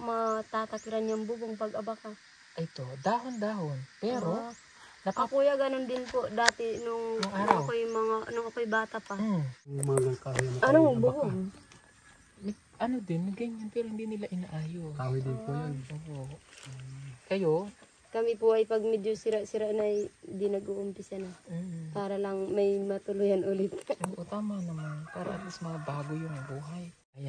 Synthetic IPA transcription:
mɐt̪aːt̪ɐkɪɾanjaŋbʊboŋpɐɡʔɐbaka | ʔɐjt̪od̪aːɦond̪aːhonpɛːɾo | nɐpakuːjɐɡɐnond̪ɪnpod̪aːt̪ɪnʊŋnʊŋawkojmɐŋanʊŋɐkojbaːt̪ɐpamɐɡakaɪnɐɐnobuboŋ | m | ʔɐnod̪ɪnmɐɡɐɲanpɛɾohɪnd̪inɪlaʔɪnaʔaːjokawɪd̪ɪnpujonʔoːʔo | kɐjo | kɐmɪpʊʔɐjpɐɡ̚mɛd̪josɪɾasɪɾanajnd̪ɪnɐɡʔoːʔʊmpɪsanapaːɾɐlɐŋmɐjmɐt̪ʊlʊjanʔʊlɪt̪ʔoʔot̪aːmanɐmanpaːɾɐ̰ʔɐt̪mɐsmɐŋabaːɡojʊŋmɐbuːɦaj | ɐja

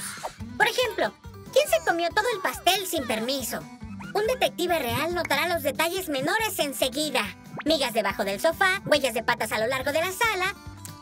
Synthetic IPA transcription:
po̞ɾe̞xe̞mplo̞ | kjense̞ko̞mjo̞t̪o̞ðo̞e̞lpast̪e̞lsimpe̞ɾmiso̞und̪e̞t̪e̞k̚t̪iβere̞alno̞t̪aɾalo̞zðe̞t̪aʝe̞zme̞no̞ɾe̞se̞nse̞ɣiða | miɣazðe̞βaxo̞ðe̞lso̞faɣwe̞ʝazðe̞pat̪asalo̞laɾɣo̞ðe̞lasala

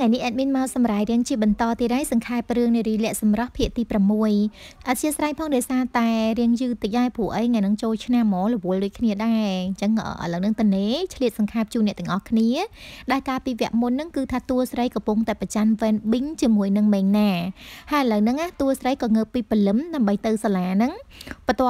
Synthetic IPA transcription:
ŋajnihʔaːt̪̚miənmaɔsɑmraːjriəŋt͡ɕiəɓɑnt̪ɑːt̪iːɗajsɑŋkʰaɛp̚rɨəŋniəɾiːlɛ̆əʔsɑmrəhpʰiəʔt̪iːpramːuəjʔat̪̚t͡ɕiəsraːŋpʰɑːŋɗɑɔjsaːt̪aɛriəŋjɨːt̪ək̚ɗaɛpuəʔəjŋajnɨŋt͡ɕoːlt͡ɕʰnamːɔːlɔʋʊəlɗʊːc̚kʰniəɗaɛɲt͡ɕəŋə̰ːʔə̰ləwnɨŋt̪əneːt͡ɕʰliət̪̚sɑŋkʰaɛp̚t͡ɕuːnːɛ̆t̪ɛ̆əŋʔɑhkʰniəɗaɛlkaːlpiːʋɛ̆əʔmunːɨŋkɨːt̪ʰaːt̪uəsrəjkɑpuŋt̪aɛprat͡ɕanʋɛːnɓɨɲt͡ɕiəmuəjnɨŋmɛːŋnaːhaəjʔaləwnɨŋʔaht̪uəsrəjkɑːŋəːpːiːpəlɨmɗaəmɓəjt̪ɨwsalaːnɨŋpət̪ŏə

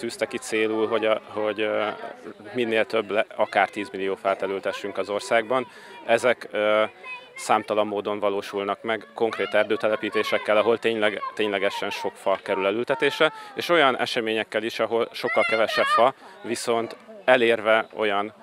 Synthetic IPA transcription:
t̪yːst̪ɛkit̪seːluːlɦo̞ɟho̞ɟ | minːeːlt̪ø̞bːlɛɒkaːrt̪iːzmilijoːfɛlt̪ɛlylt̪hɛʃːyŋkɒzo̞rsaːɡbɒn | ɛzɛk | saːmt̪ɒlɒmːoːd̪o̞ɱvɒloːʃulnɒkmɛɡko̞ŋkreːt̪ɛrd̪øːt̪ɛlɛpiːt̪eːʃɛkːɛlɒɦo̞lt̪eːɲlɛɡt̪eːɲlɛɡɛʃɛnʃo̞kfɒkɛɾylɛlylt̪ɛt̪eːʃɛeːʃo̞jɒnʔɛ̰ʃɛmeːɲɛkːɛliʃɒɦo̞lʃo̞kːɒlkɛvɛʃɛpfɒviso̞nt̪ɛleːrvɛo̞̰jɒn

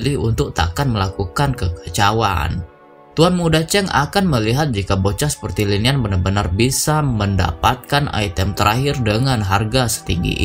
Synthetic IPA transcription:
liunt̪ʊk̚t̪a̰kanməlakukankəkḁt͡ʃawa̰n | t̪uanmudat͡ʃɛŋa̰kanməliɦat̪̚d͡ʒikabot͡ʃasə̥pərt̪ilinianbənarbənarbisamənda̰pat̪̚kana̰it̪ɛmt̪əɾʔaɦɪrdəŋanɦarɡasə̥t̪iŋɡḭʔ

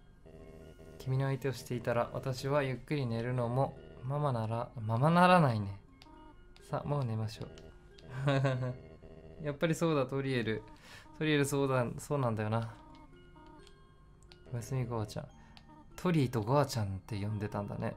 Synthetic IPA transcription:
kʲimʲino̞ait̪e̞o̞ɕi̥t̪e̞it̪aɾaβa̰t̪aɕiβajɯ̟kːɯ̟ɾʲine̞ɾɯ̟no̞mo̞mamanaɾamamanaɾanaine̞ | sa̰mo̞ːne̞maɕo̞̰ː | japːaɾʲiso̞ːd̪at̪oɾʲie̞ɾɯ̟t̪oɾʲie̞ɾɯ̟soːso̞ːnãnd̪ajo̞na | ojasɨmʲiɡoβat͡ɕã̰n | t̪ʰo̞ɾʲiːt̪o̞ɡoβat͡ɕãnt̪e̞jõ̞nd̪e̞t̪ãnd̪a̰ne̞̰

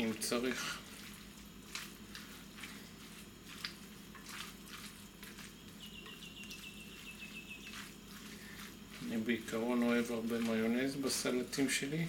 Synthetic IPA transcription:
imt͡saʁiχ | anibeikaʁo̞no̞e̞vaʁbemajonezbasalatimʃe̞li

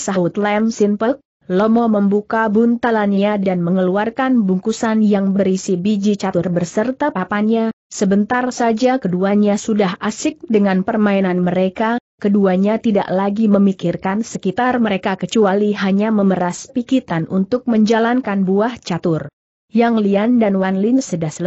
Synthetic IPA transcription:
saut̪lɛmsinpək̚ | lɔmɔməmbukabunt̪alanɲadanməŋəluarkanbuŋkusanjaŋbəɾisibid͡ʒit͡ʃat̪ʊrbərsərt̪apapaɲa | səbənt̪arsad͡ʒakəduaɲasudaɦʔasɪk̚dəŋanpərmainanməɾeka | kəduaɲat̪ida̰ʔlaɡiməmikɪrkansəkit̪arməɾekakət͡ʃualiɦaɲaməməɾaspikit̪anʔunt̪ʊk̚məɲd͡ʒalankanbuaht͡ʃat̪ʊr | jaŋliandanwanlɪŋsədahsə

